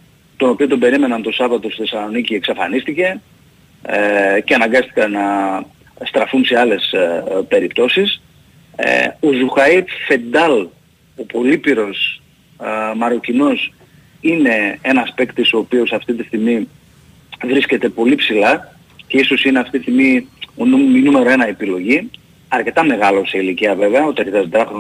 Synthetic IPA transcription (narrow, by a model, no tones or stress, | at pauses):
t̪o̞no̞pio̞t̪obe̞ɾime̞nɐnt̪o̞sɐvɐt̪o̞st̪θesɐlo̞nicieksɐfɐnist̪ice̞ | ceɐnɐŋɡɐst̪i̥kɐnɐ | st̪ɾɐfunse̞ɐle̞spe̞ɾipt̪o̞sis | ozuxɐife̞d̪ɐl | o̞po̞lipiɾo̞s | mɐɾo̞cino̞s | ine̞e̞nɐspekt̪iso̞ːpio̞sɐft̪it̪ist̪iɣmi | vɾisce̞t̪e̞po̞lipsilɐ | ce̞iso̞sine̞ɐft̪it̪ist̪imionumminume̞ɾoe̞nɐepilo̞ʝi | ɐɾce̞t̪ɐme̞ɣɐlo̞seiliciɐve̞veɐot̪iɐɾcet̪ɐzd̪ɾɐxɾo